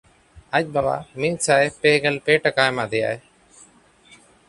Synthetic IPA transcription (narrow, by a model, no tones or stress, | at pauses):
ac̚ˀbaba̰mit̪̚sajpɛɡɛlpeʈakajmad̪ɛja̰e